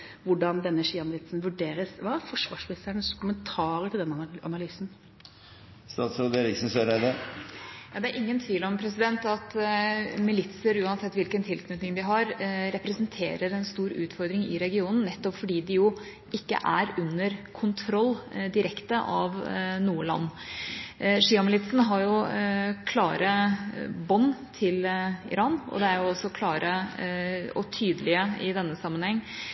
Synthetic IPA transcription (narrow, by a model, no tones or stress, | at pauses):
ʋʊɖɑnd̪ɛnːəʂiːɑmɪlɪt̪sn̩ʋʉɖeːɾəsʋɑːfɔʂʋɑːʂpɪsæɳəskʰʊmənt̪ʰɑːɾəʈʰɪld̪ɛnːɑ̰nɑlyːsn | st̪ɑːt̪sɔd̪ɛɾɪksn̩søɾɛd̪ə | jɑːd̪ɛæɾʔɪŋːənt̪ʰʋiːlɔmpʰɾɛs̬ɪd̪ɛnt̪ɑt̪ | mɪlɪt̪səɾʉːɑnsɛt̪ːʋɪlkənt̪ʰɪlkʰnʉt̪nɪŋd̪ɪɦɑɾɾɛpɾɛsnt̪ʰḛːɾəɾɛnst̪uːɾʉːt̪fɔɾd̪ɾɪŋɪɾɛɡɪuːnn̩nɛt̪ːɔpfɔɖiːd̪ɪjʊ | ɪkːə̰ʔæɾʉnːəɾkʰʊnt̪ʰɾɔlːd̪ɪɾɛkt̪əʔɑʋnuːəlɑ̰nː | ʂiːɑmɪlɪt̪sn̩ɦɑɾjʊkʰlɑːɾə | bɔnːt̪ʰɪlɪ̰ɾɑːnɔ̰d̪ɛæɾjʊɔsːɔkʰlɑːɾə | ɔ̰t̪ʰyːd̪əlɪəɪd̪ɛnːəsɑmːənhɛŋː